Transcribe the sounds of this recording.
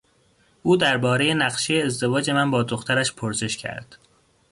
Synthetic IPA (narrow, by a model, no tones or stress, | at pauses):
ʔuːd̪æɾbɒːɾe̞je̞næɢʃejeːzd̪e̞vɒːd͡ʒe̞mænbɒːd̪o̞xt̪ʰæɾæʃpʰoɾse̞ʃcʰæ̰ɾd̪̥